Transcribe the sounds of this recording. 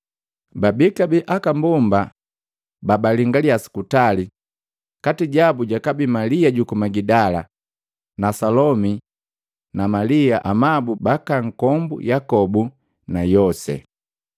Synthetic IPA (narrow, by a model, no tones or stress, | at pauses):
babikabiʔakambumba | babaliŋɡaliasi̥kutali | katiɟabuɟakabimaliaɟukumaɡidala | nasalɔmi | namaliaʔamabubakaŋ̩kɔmbṵjakɔbu | najɔsɛ̰